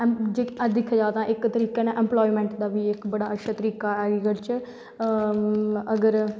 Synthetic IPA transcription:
d͡ʒeːd̪ɪkʰːaːd͡ʒaːt̪ãːʔɪkt̪əɾiːkeːnãːʔɛ̃ːmplɔːiːmɛ̃ːɳʈd̪aːʋiːɪkbəɽaːətʃʰaːt̪əɾiːkaːɛːɡiːkəɾt͡ʃ | əɡəɾ

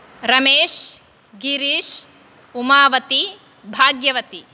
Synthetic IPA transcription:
ɾɐmeːʃ | ɡiɾiʃ | umaːʋɐt̪i | bʱaːɡjɐʋɐt̪i

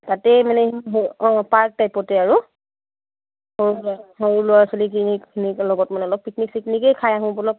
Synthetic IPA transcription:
tatɛmanɛɦpaɹk̚tajpɔtɛaɹu | hoɹulaɦoɹulʊwaɹsɔlikinikkʰiniklɔɡɔtmanɛɔlɔk̚pikniksiknikɛjkʰajaɦʊ̃bɔlɔk̚

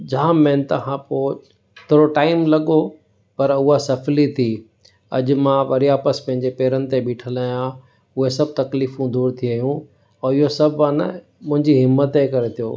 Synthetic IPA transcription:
d͡ʑaːmːɛ̃ːnt̪ɐɦãpoː | ɪt̪ʰɾoʈaːɪmlɐɠo | pɐɾʊɦasɐflit̪ʰi | ɐ̰ʄʊ̆mãʋɐɾijaːpəspɐ̃ɦɪ̃ɲd͡ʑepeːɾənɪ̆t̪ebɪʈʰəlaːjã | ʊɦesɐb̚ʱt̪ɐkliːfũd̪uːɾt̪ʰiəːɦjũ | ɛ̃ɪɦosɐbʱanɐ̰ | mʊ̃ɦɪ̃ɲd͡ʑiɦɪmːət̪ekɐɾet̪ʰijo̰ː

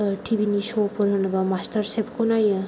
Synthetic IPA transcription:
ʈʰibʱinisopɔɾɯnɯbamastaɾsepkʰonajɯ

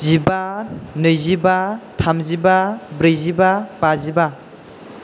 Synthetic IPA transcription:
zibanɯjzibatʰamzibabɾɯjzibabaziba

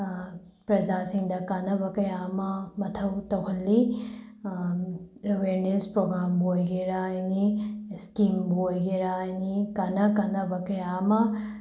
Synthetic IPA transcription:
pɾɐzaːsĩŋd̪akɐnɐʋɐkɐjaːmamɐt̪ʰɐwt̪ɐɦɐlːi | ɾɐʋeːɾnespɾoːɡɾaːmboːɡeɾaːinisʈiːmboːɡeɾaːinikɐnɐkɐnɐʋɐkeaːma

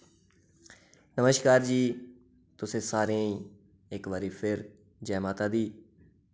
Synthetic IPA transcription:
nəməʃkaːɾd͡ʒiː | t̪ʊsẽːsaːɾẽː | ekʋaːɾiːpʰɪɾ | d͡ʒɛːmaːt̪aːd̪iː

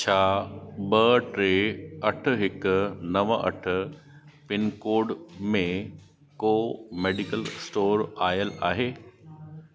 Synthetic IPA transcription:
t͡ɕʰaːbɐʈɾeːɐʈʰʊ̆ɦɪknɐʋəʔɐ̰ʈʰʊ̆ | pɪnkoːɖmẽ | koːmeːɖɪkəlsʈoːɾaːjəlaːɦeː

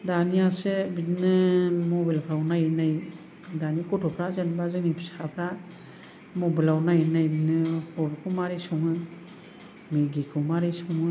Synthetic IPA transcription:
daniasebitnɯmɔbilpʰɾawnajnaj | danikɔtʰɔpʰɾazenbazɯŋnipʰisapʰɾa | mɔbilawnajnajbinɯbɔbikʰumaɾisɔŋɯ | miɡikʰɯmaɾisɔŋɯ

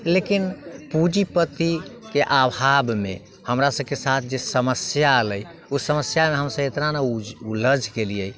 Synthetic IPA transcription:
lekinpud͡ʒipət̪ikeʔabʱabmḛ | həmɾasəb̚kesat̪ʰd͡ʒesəməsjaələj | usəməsjameɦəmsə̃et̪nanaud͡ʒuləd͡ʒʱkelijəj

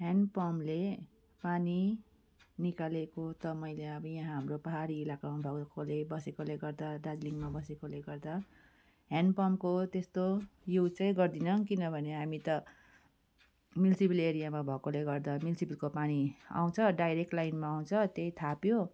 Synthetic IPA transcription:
ɦanpʌmle | pani | nikalekot̪ʌmʌjleʌbʌjãɦamropʌɦaɾiːlakamabʱʌkolebʌsekoleɡʌrd̪aɖad͡zliŋmabʌsekoleɡʌrd̪a | ɦanpʌmkot̪est̪ojut͡sʌ̃ĩɡʌrd̪inʌŋkinʌbʱʌneɦamit̪ʌ | milsipileɾijamabʱʌkoleɡʌrd̪amilsipilkopania̰w̃t͡sʰʌɖajɾek̚ʈlajnmaːw̃t͡sʰʌt̪ejt̪ʰapjo

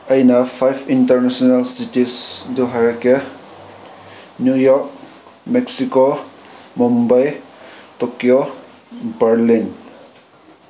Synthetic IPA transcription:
ajnapʰajbintəɾnasɔnalsitisduɦaɹake | njujɔɾk̚ | meksiko | mumbajtɔkijo | bəɾlin

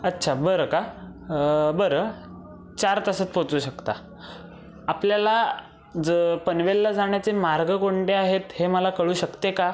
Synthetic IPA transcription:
ətːɕʰabəɾəka | bəɾə | t͡ɕaɾt̪əsət̪̚pot͡suːɕəkt̪a | apljala | pənʋelːad͡zaɽ̃jat͡semaɾɡəkoɳʈeaɦet̪heməlakəɭuːɕəkt̪eka

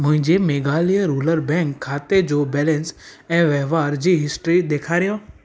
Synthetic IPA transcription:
mʊ̃ɦɪ̃ɲd͡ʑemeːɡaːliəɾuːləɾbɛ̃ːŋkʰːaːt̪ed͡ʑobɛːlɛ̃nsɛ̃ːʋɛɦʋaːɾd͡ʑiːɦɪsʈɾiɗ̪eːkʰaːɾijõ

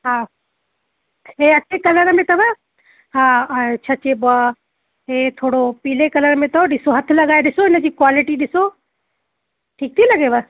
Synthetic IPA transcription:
ɦãː | eɐːʃʰekɐləɾmẽt̪ɐbə | ɦãːt͡ʃʰɐt͡ʃebə | ɦet̪ʰoːɽopiːlekɐləɾmẽt̪ɐɗɪsoɦɐt̪ʰlɐɡaːeɗɪsoɪnəd͡ʑiːkwaːlɪʈiɗɪso | ʈʰiːk̚t̪ʰilɐɡebə

